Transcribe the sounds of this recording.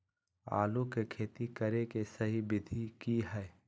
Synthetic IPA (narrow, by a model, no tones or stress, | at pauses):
a̰ːlõkekʰeːt̪ikəɾekesəɦibɪd̪ʱikiɦɛː